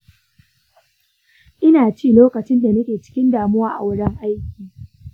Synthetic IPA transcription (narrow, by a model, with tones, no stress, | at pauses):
ʔɪ˦naː˨t͡ʃiː˦˨loː˦kɐ˨t͡ʃɪ˦nda˨nɐ˦kʲeː˨t͡ʃɪ̥˦kʲɪ˦ndaː˨mʊ˦waː˦ʔa̰˨wʊ˦ɽɐ˦ŋʔa˦jkʲiː˨